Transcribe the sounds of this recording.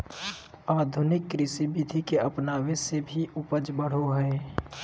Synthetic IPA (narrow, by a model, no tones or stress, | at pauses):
aːd̪ʱʊnɪkːɾɪsibid̪ʱikeəpnaːwẽsebʱiʔʊpəd͡ʒbəɽ̤oɦɛe